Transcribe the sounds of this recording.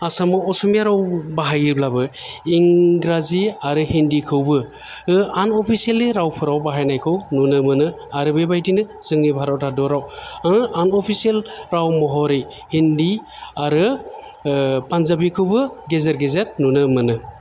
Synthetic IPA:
asamɯɔsumiaɾawbaɦajɯblabɯiŋɡɾaziaɾɯhindikʰɯwbɯ | ɯanɔpʰisieleɾawpʰɯɾawbaɦajnajkʰɯwnunɯmɯnɯ | aɾɯbebajdinɯ | z̥ɯŋnibʱaɾawtʰadɔɾawaanɔpʰisielɾawmɔɦɔɾej | hindi | aɾɯ | panzabikʰɯwbɯɡezeɾɡezeɾnunɯmɯnɯ

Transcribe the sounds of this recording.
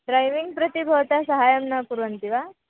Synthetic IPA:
ɖɾɐjʋiŋɡ̚pɾɐt̪ibʱɐːt̪asɐɦaːjɐmnɐkuɾʋɐnt̪iʋa

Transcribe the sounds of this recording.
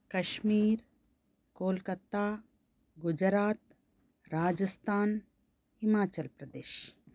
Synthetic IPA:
kɐʃmiːɾ | koːlkət̪aː | ɡʊd͡ʒɾaːt̪̚ | ɾaːd͡ʒəst̪ʰaːn | hɪmaːt͡ʃəlpɾɐd̪eːʃ

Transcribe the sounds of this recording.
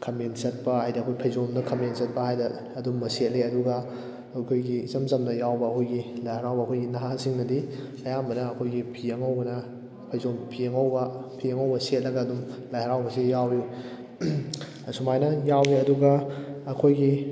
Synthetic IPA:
kʰɐmensɐt̚pɐhajdɐɐkʰojpʰɐjzomnɐkʰɐmensɐt̚pɐhajdɐ | ɐdumːɐset̚leɐduɡɐ | ojkʰojɡizɐmzɐmdɐjawbɐːkʰojɡilajhɐɾawbɐkʰojɡinaɦahasiŋnɐdi | ɐjambɐnɐːkʰojɡipʰiɐŋɐwbɐnɐ | pʰɐjzompʰiɐŋɐwbɐpʰiɐŋɐwbɐset̚lɐɡɐːdumlajhɐɾawbɐsijawju | sumajnɐjawiɐduɡɐːkʰojɡi

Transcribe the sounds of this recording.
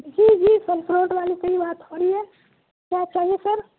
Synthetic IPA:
bisid͡ʒisəlpʰɾõʈbalikəibat̪hɔɾie | kjat͡ʃaɦiesəɾ

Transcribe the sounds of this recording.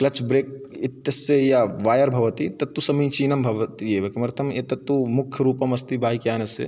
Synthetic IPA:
klɐt͡ʃbɾeːk̚ɪt̪jɐsːejaʋaːjɐɾbʱɐʋɐt̪it̪ɐt̪ːusɐmiːt͡ʃiːnɐmbʱɐʋɐt̪ijeːʋɐkɐmɐɾt̪ʰɐmet̪ɐt̪ːumʊkʰjɐɾuːpɐmɐst̪ibʱaːɦikjaːnɐsḛ

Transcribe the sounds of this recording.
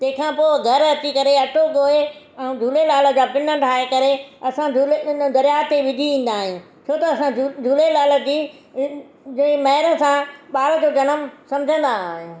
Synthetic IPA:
t̪ɐ̃ɦɪ̃kʰãːpoːɡʱɐɾɐt͡ɕikɐɾeɐʈʰoɡoːe | ɛ̃ũd͡ʑʱuːlelaːlə̆d͡ʑaːpɪnə̆ʈʰaːekɐɾeɐsãd͡ʑʱuled̪ɐɾjaːt̪eʋɪd̪ʱiʋĩːn̆d̪aːɦɪ̃jũ | t͡ɕʰoːt̪ɐɐsãd͡ʑʱulelaːlə̆d͡ʑiː | d͡ʑɐ̃ɪ̃mɐɦɪɾə̆sãɓaːlə̆d͡ʑoːd͡ʑɐnəmsɐ̃md͡ʑʱə̃nd̪aːɦɪ̃

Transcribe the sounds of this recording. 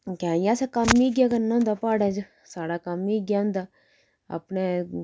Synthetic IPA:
kʲãːjaːsakamːiɡʲjakɐnːnd̪apaːɽad͡ʒ | saːɽakamːiɡjaũnd̪a | ɐ̰pne

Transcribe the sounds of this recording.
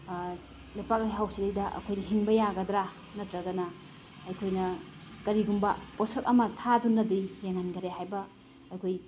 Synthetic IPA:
lajpak̚laɦawsidejdɐʔɐ̰kʰojnɐɦinbɐjaɡɐd̪ɾa | nɐtɾɐɡɐnɐ | ɐjkʰojnɐ | kɐɾiɡumbɐposɐk̚ɐmɐtʰadunːɐdijeŋanɡɐɾeɦajbɐː | jkʰoj

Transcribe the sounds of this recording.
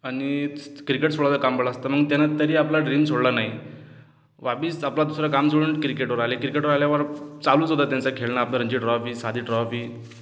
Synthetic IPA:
aɽ̃ikɾikeʈsoɭat͡səkambəɭaːst̪aməɡt̪janat̪əɾiːaplaɖɾimsoɽlanaɦj | ʋabiːsaplad̪usɾakamsoɽunʈkɾikeʈʋəɾaɦlekɾikeʈəɾaljaʋəɾt͡saluːt͡sɦod̪at̪jãnt͡sakʰeɭnaːpnaɾəɲd͡ʑiʈɾɔfiːsad̪ʱiːʈɾɔfi

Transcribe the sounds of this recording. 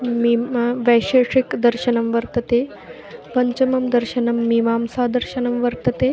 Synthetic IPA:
miʋɛjʂeːʂikd̪ɐɾɕɐnɐmʋɐɾt̪ɐt̪eː | pɐɲt͡ɕɐmɐmd̪ɐɾɕɐnɐmːimaːmsaːd̪ɐɾɕɐnɐmʋɐɾt̪ɐt̪eː

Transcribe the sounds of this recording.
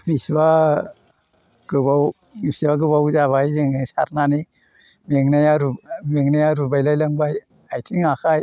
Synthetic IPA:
bisba | ɡɯbaw | misibaɡɯbawzaβajzeŋasa̰ɾnani | meŋnajaɾumeŋnajaɾubajlajlaŋbaj | ajtʰiŋakʰaj

